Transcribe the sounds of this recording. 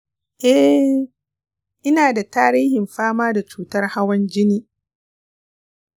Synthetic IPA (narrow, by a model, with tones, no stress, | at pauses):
ʔɛ˦ | ʔɪ˦naː˨da˨taː˦ɾiː˦hɪ˨mɸaː˦maː˦da˨t͡ʃuː˦tɐ˦rha˦wɐ˦nd͡ʒɪ˦niː˦